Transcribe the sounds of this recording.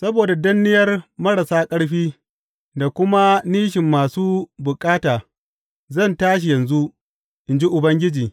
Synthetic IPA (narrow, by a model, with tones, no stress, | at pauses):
sɐ˦boː˨da˨dɐ˦nːɪ˦jɐ˦rmɐ˦ɽa˨saː˦kʼɐ˦ɽɸiː˦ | da˨kʷʊ˦ma˦niː˦ʃɪ˨mːaː˨suː˦bʊ˨kʼaː˦taː˨ | zɐ˦˨ntaː˦ʃ̬i˨jɐ˨nzu˦ʔ | ʔɪ˨nd͡ʒi˦ʔʊ˨bɐ˦ŋɡʲɪ˦d͡ʒiː˨